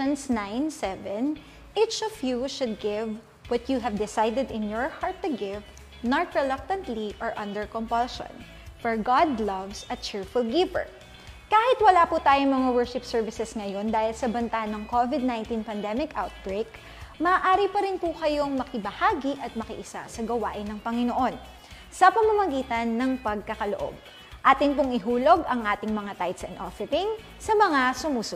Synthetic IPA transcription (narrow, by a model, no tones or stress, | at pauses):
nsnãjnsɛvɛn | ʔit͡ʃɔvjuʃʊd̪̚ɡɪv | wɐt̪juɦɛvd̪ɪsajd̪ɛd̪ɪ̃njɔɹhaɹt̪ːʊɡɪv | nɐt̪ɹɛlɐk̚t̪ɐ̃nt̪liʔɔɹʔɐ̃nd̪ɛɹkɔmpɐlʃɔ̰̃n | fɔɹɡad̪lɐvsɐt͡ʃɪɹfʊlɡɪvɛ̰ɹ | kaːhɪt̪̚wɐlaːput̪aːjoŋmɐŋawɛɹʃɪpsɛɹvɪsɛsŋɐjo̞nd̪aːhɪlsɐbɐnt̪anɐŋkovɪd̪̚nãj̃nt̪ĩnpɐnd̪ɛmɪkʔawt̪̚bɹejk | mɐʔːʔaːɾipɐɾɪnpʊkɐjo̞ŋmɐkɪbɐhaːɡiʔɐt̪̚mɐkɪ̰ʔɪsa̰sɐɡɐwaːʔɪnːɐŋpɐŋɪnoʔo̞n | sɐpɐmɐmɐɡiːt̪ɐnːɐŋpɐɡ̚kɐkɐloʔo̰b̚ | ʔaːt̪ɪnpʊŋɪɦuːlo̞ɡʔɐŋʔaːt̪ɪŋmɐŋat̪ajt̪sɛ̰nʔofɛɾɪŋ | sɐmɐŋasʊmuːsʊ